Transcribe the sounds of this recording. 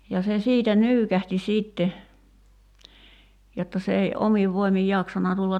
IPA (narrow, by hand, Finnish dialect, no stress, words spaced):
jɑ se siːtæ nyːkæhti siːtːe jotːɑ se ei ʔomiʋ ʋoimij jɑksɑnɑ tulːɑt